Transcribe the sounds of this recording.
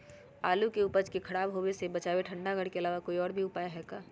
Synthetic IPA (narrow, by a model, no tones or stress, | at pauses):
aːlukeupəd͡ʒkekʰɐɽaːbɦoːesebɐt͡ʃaːʋeʈʰə̃ɳɖaɡəɽkeɐlaːʋakoːiɔːɾbʱiʊpaːjaɦɛːkaː